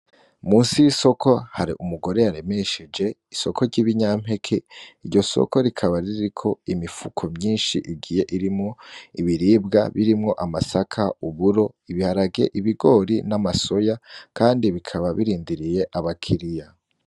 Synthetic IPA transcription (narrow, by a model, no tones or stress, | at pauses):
muːnsiwiso̞kʰo̞haɾḭʔumuɡo̞ɾe̞jaɾe̞me̞ʃed͡ʒe̞iso̞ko̞ɟiβiɲam̥he̞kʰeiɾɟo̞so̰ko̞ɾikʰaβaɾiɾikʰo̞imifukʰo̞mɲiːnʃiʔiɡiːje̞ʔiɾimŋo̞iβiɾiːbɡa̰βiɾimŋo̞ʔamasakʰauβuɾo̞iβihaɾaɡe̞̰ʔiβiɡo̞ːɾinamaso̞jakaːndiβikʰaβaβiɾiːndiɾije̞ʔaβakʰiɾija